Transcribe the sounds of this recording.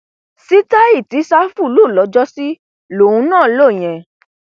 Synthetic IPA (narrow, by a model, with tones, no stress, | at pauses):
si˦ta˦i˦˨ti˨˦sa˦fu˦˨luː˦˨lɔ˨˦d͡ʒɔ˦si˦ | lo˨ũ˧˦nãː˦˨˦lo˦˨j̃ɛ̃˨